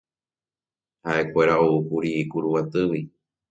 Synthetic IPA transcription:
haʔe̞kʷe̞ɾaoukuɾiːkuɾuwat̪ɨwi

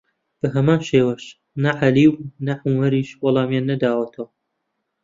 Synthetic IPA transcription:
b̥ɐɦɐmaːnʃeːwɐʃ | nɐʕaliːwnɐʕʊmɐɾiːʃwɐlˠɑːmjaːnːɐd̪aːwɐt̪ʰɐwɐ

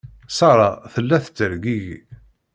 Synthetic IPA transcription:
sɑɾˤɑθəlːæθə̥t͡sːəɾɡiʝi

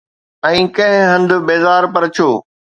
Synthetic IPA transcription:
ɛ̃ːkɐ̃ɦɪ̃ɦɐ̃nd̪ʊbeːzaːɾpɐɾt͡ɕʰoː

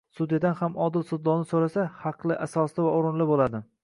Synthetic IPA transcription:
sʊd̪jad̪anhamɒd̪ɪlsʊd̪ːɒnɪsoɾasahɑqlˠɪʔasɒslɪvaoɾɪnlɪbolad̪ɪ

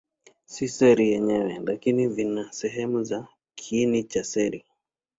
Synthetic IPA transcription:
sisɛɾijɛɲɛwɛlakinivinasɛɦɛmuza | kʰːnit͡ʃasɛɾi

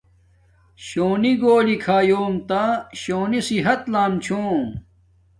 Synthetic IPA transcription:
ɕoːniɡoːlikʰaːjoːmt̪aɕoːnisiɦɐt̪laːmt͡ɕʰõː

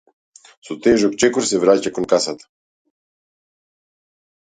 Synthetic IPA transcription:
sot̪ɛʒokt͡ʃɛkoɾsɛvɾacakonkasat̪ḁ

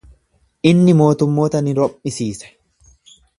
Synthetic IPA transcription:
ʔɪnːɪmo̞ːt̪ʊmːo̞ːt̪ɐnɪɾɔʔɪsiːsɛ̥

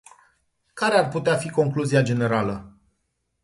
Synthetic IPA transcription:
kaɾearput̪eafiko̞ŋkluziad͡ʒe̞ne̞ɾalə

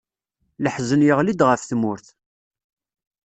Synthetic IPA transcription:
ləħzənjəʁlid̪ʁəfθmʊɾθ

